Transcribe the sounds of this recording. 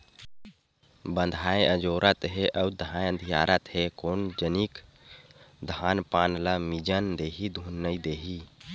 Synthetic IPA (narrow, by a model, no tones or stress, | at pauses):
bə̃nd̪ʱajəd͡ʒoːɾət̪ɦeʔəwd̪ʱãjə̃nd̪ʱijaːɾət̪ɦekond͡ʒənik | d̪ʱaːnpanləmid͡ʒənd̪eːɦid̪ʱunːəid̪eːɦi